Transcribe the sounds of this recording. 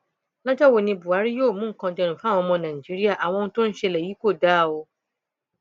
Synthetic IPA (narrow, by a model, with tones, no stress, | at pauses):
lã˦ta˦wo˨nɪ̃˦bʊ˨a˦ɾjo˦˨mʊ̃˦ŋ˨kɔ̃˨dɪ̃˦ɾ̃fa˦˨ɔ̃˦mɔ˦nã˨d͡ʒe˦ɾi˦ja˨ʔa˨wɔ̃˦n˦tʊ̃˦n˦ʃɛ˦la˨ji˦kʷo˦˨daː˦˨wo˦